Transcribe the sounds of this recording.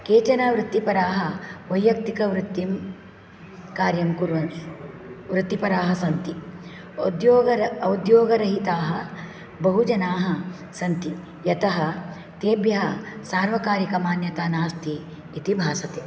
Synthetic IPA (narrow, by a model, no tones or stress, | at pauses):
keːt͡ʃɐnaːʋɾut̪ːipɐɾaːɦɐ̆ʋɐjːɐk̚t̪ikɐʋɾut̪ːim | kaːɾjɐmkuɾʋɐn | ʋɾut̪ːipɐɾaːɦɐsɐnt̪i | d̪joːɡɐɐd̪joːɡɐɾɐɦit̪aːɦɐ | bɐɦud͡ʒɐnaːɦɐ | sɐnt̪i | jɐt̪ɐɦɐ | t̪eːbjɐɦɐsaːɾʋɐkaːɾikɐmaːnjɐt̪aːnaːst̪ʰiː | t̪ibʱaːsɐt̪e